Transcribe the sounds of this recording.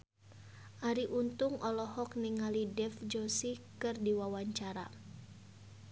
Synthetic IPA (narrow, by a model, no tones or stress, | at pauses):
ʔaɾiʔunt̪uŋɔlɔɦɔk̚niŋalidɛfd͡ʒɔsikɨrdiwawaɲt͡ʃaɾa